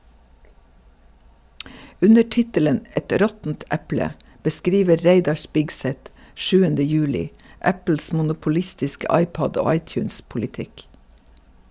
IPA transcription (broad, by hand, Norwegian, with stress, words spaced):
ˈʉnə ˈʈɪtələn ə ˈɛt ˈɾɔtn̩t ˈɛplə bəˈskɾiːʋə ˈɾeɪdɑ ˈʃpɪɡsɛt ˈʃʉːəndə ˈjʉːlɪ ˈʔæpl̩s ˌmʊnʊpʊˈlɪstɪskə ˈɑɪˌpɔd ˈoː ˈɑɪˌtjʉːnspʊlɪˌtɪk